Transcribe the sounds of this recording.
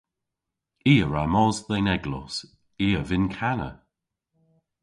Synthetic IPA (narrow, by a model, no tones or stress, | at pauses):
iːəɹamɔzðɛnɛɡlɔ̰s | iːəvɪnkʰanə̰